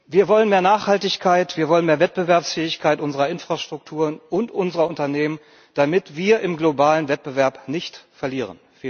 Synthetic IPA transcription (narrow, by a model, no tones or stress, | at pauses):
viːɐvɔlənmeːɐnaːχhaltɪçkʰaɪtv̥iːɐvɔlənmeːɐvɛt̚b̥əvɛɐpsfɛːɪçkʰaɪtʔʊnzəʁɐɪnfʁ̥aʃtʁ̥ʊk̚tʰuːʁənʔʊntʔʊnzəʁɐʊntɐneːmən | d̥amɪtv̥iːɐʔɪmɡlobaːlənvɛt̚b̥əvɛɐpnɪçtfɛɐliːʁ̞ə̰nfi